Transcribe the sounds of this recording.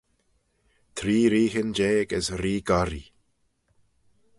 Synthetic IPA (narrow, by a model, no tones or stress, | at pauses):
t̪ʰɾiːɾiːhənd͡ʒeːɡəsɾiːɡaɾḭ